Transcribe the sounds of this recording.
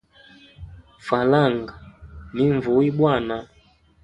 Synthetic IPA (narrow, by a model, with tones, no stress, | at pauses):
fa˨la˦˨ŋɡa˨ni˨˦ɱvu˨˦i˦ɓwa˦˨na˨